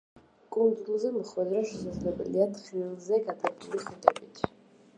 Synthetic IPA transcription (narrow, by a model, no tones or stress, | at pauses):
kʼund̪zulˠzɛməχwɛd̪ɾaʃɛsazlɛbɛ̰liat̪ʰχilzɛɡad̪ʼapʼuliχit̪ʼɛ̰bit̪ʰ